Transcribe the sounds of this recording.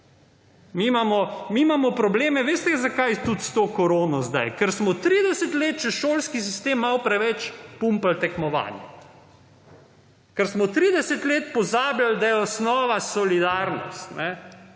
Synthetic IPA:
mimaːmɔmimaːmɔpɾɔbleːmɛʋeːst̪ɛzakajt̪ut̪st̪okɔɾoːnɔzd̪a̰jkɛɾsmɔt̪ɾiːd̪ɛsɛt̪leːt̪̚t͡ʃɛʃoːlskis̬ist̪eːmːawpɾɛʋɛt͡ʃpumpalt̪ɛkmɔʋa̰ːnjɛ | kɛɾsmɔt̪ɾiːd̪ɛsɛt̪leːt̪pɔzaːbjald̪ajɛɔsnɔːʋasɔlid̪aːɾnɔ̰st̪nʔɛ

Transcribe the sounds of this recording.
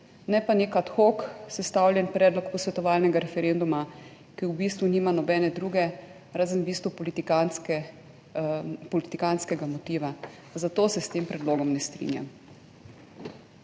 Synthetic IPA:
nɛpanekat̪xoksɛst̪awlʲjɛnpɾɛːd̪lɔkpɔsʋɛt̪ɔʋaːlnɛɡaɾɛfɛɾend̪uma | kiwbiːst̪ʋuniːmanɔbɛːnɛd̪ɾuːɡɛ | ɾaːzənbiːst̪uplik | pɔlit̪ikanskɛɡamɔt̪iːʋa | zat̪oːsɛst̪empɾɛd̪loːɡɔmnɛst̪ɾḭnja̰m

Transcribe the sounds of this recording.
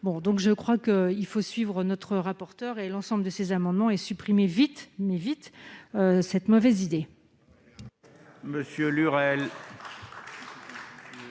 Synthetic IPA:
bɔ̃d̪ɔ̃kʒəkχwakəilfosɥivʁənɔt̪χəʁapɔʁt̪œʁelɑ̃sɑ̃bləd̪əsezamɑ̃d̪mɑ̃ɛsypχimevit̪mɛvit̪øsɛt̪mɔvɛzid̪e | məsjølyʁɛl

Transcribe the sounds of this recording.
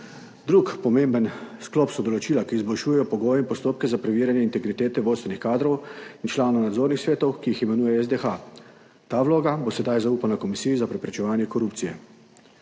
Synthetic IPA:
d̪ɾukpɔmembənsklɔpsɔd̪ɔlɔt͡ʃiːlakiːzbɔlʃuːjɛjɔpɔɡoːjɛimpɔst̪oːp̚kɛzapɾɛʋiːɾjanjɛint̪ɛɡɾit̪eːt̪ɛʋoːt̪st̪ʋɛnixkaːd̪ɾɔwint͡ʃlaːnonad̪zoːɾnixsʋeːt̪ɔwkiiximɛnuːjɛɛzd̪exa | t̪aːʋloːɡabosɛd̪ajzauːpanakɔmisijizapɾɛpɾɛt͡ʃɛʋaːnjɛkɔɾuːpt̪sijɛ̰

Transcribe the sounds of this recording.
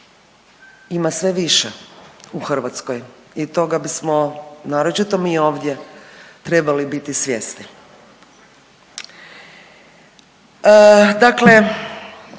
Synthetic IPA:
imasʋe̞ʋiʃeuxr̩ʋat̪skoj | it̪o̞ɡabismonaːɾot͡ʃit̪omio̞ːʋd̪ʲjet̪ɾe̞balibit̪isʋʲjest̪i | d̪akle̞

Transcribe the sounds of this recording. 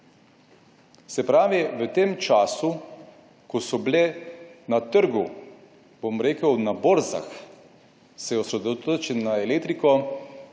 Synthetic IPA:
sɛpɾaːʋiʋət̪eːmt͡ʃaːsu | kɔsɔblenat̪əɾɡu | bomɾeːkəwnaboːɾza̰x | sɛjɛɔsɾɛd̪ot̪oːt͡ʃinaelek̚t̪ɾikɔ

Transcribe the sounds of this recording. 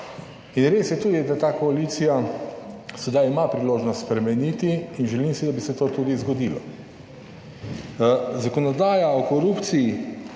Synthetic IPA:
inɾesjɛt̪uːd̪id̪at̪aːkɔaliːt̪sija | sɛd̪ajimapɾiloːʒnɔst̪spɾɛmɛnit̪iːnʒɛlimsid̪abisɛt̪oːt̪uːd̪izɡɔd̪ilɔ̰ | zakɔnɔd̪aːjaɔkɔɾupt̪sii

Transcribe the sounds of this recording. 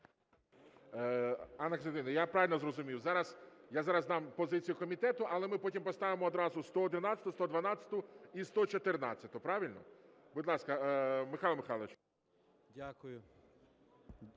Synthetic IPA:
anːɐksed̪ɪnɐjapɾɑʋɪlʲnɔzrɔzʊmʲiwzɑɾɐsjazɑɾɐzd̪ɑmpɔzɪt͡sʲijʊkɔmʲit̪ɛt̪ʊʔɐlˠɛmɪpɔtʲimpɔst̪ɑʋɪmɔːd̪ɾɑzʊst̪ɔɔd̪ɪnɑt͡sʲɐ̥t̪ʊst̪ɔd̪ʋɐnɑt͡sʲɐ̥t̪ʊist̪ɔt͡ʃɔt̪ernɑ̰t͡sʲːɐt̪ʊpɾɑʋʲɪlʲnɔ̰bʊd̪lˠɑskɐmɪxɑlˠɐmɪxɑlˠɐʋet͡ʃ | dʲakʊjʊ

